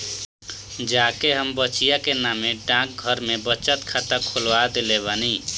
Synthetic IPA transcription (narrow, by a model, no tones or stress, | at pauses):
d͡ʒakeɦəmbət͡ʃijakenameɖãk̚ɡʱəɾmebət͡ʃət̪kʰat̪əkʰolʋad̪eleβani